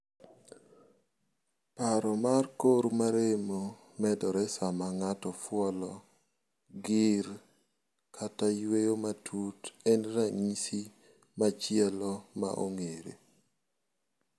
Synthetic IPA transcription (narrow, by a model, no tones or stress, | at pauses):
paɾɔmarkoɾmaɾemo | mɛdɔɾɛsamaŋatɔfwɔlɔ | ɡɪɾ | kʰatajwejomatʰutɛnɾaŋisi | mat͡ʃɪɛlɔma̰ʔo̰ŋeɾḛ